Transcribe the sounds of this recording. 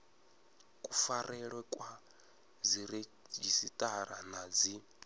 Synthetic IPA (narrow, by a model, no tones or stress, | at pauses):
kʼufaɾɛɺwɛkʼwa | ziɾed͡ʒisitʼaɾanad͡zi